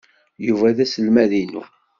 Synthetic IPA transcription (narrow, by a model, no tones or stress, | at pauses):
juvæðæsəlmæðinṵ